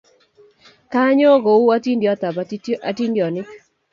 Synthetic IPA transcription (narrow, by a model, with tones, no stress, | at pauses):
ka˦ɲo˦ɡo˨u˦a˦ti˦ndjɔ˦t̪a˨ba˨˦ʔa˨ti˦ndjɔ˨nɪ˦k